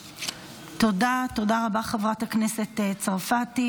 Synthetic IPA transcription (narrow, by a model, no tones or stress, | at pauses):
t̪odato̞daʁabaχevʁathaknese̞tet͡saʁfati